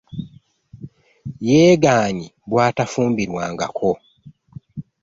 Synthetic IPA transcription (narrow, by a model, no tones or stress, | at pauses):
jeːɡaːɲiβwaːtafuːmbiɾwaːŋɡa̰kʰo